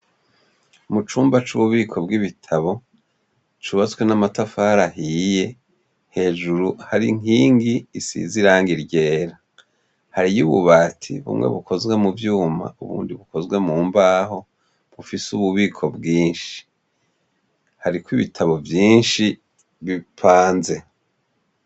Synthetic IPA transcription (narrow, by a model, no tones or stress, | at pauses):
mut͡ʃuːmbat͡ʃuβuβiːkʰo̞bɡiβitʰaβo̞ | t͡ʃuβat͡skwenamatafahaɾahije̞ | he̞ːʒuɾuhaɾiŋiːŋɡiːsḭziɾaːŋɡiɾɟe̞ːɾa | haɾijuβṵβaːtʰiβṵmŋḛβukʰo̞zɡwemuvjuːma̰uβṵːndiβuko̞zɡwemuːmbaːho̞ | βufisuβuβiːkʰo̞bɡiːnʃi̥ | haɾikwiβitʰaβo̞vjiːnʃi | βipʰaːnze̞